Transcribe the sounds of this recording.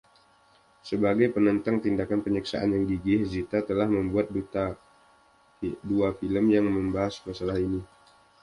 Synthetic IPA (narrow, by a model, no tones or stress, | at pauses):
səbaɡajpənənt̪aŋt̪indakanpəɲəksa̰ʔa̰njaŋɡiɡɪhzit̪at̪əlahməmbuat̪̚dut̪a | duafiləmjaŋməmbaɦasmasalahini